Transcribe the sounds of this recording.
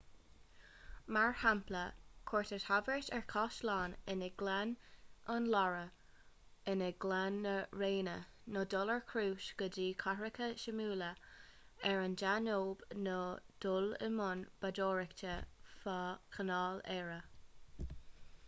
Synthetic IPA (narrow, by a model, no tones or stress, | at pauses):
maɹhampləkʰɔɹtəthavɛɹtɛɹkʰɔʃlaːnɪnəɡlɛnənlaɹə | ɪnəɡlanːəɹeːnə | nɔdɔləɹkʰɾuːʃɡ̥ədiːkʰaɹɪkʰəʃəmuːlə | ɛɹənd͡ʒanoːbnod̥ʊlɪ̰mʊnb̥adɔːɹɪktʰəfakʰənaːlɛɹə